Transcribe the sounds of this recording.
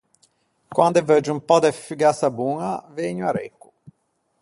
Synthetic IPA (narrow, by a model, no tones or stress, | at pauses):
kwand̪ɛvəd͡ʒumpɔd̪efyɡasabuːŋaveɲuaɾɛ̰kːu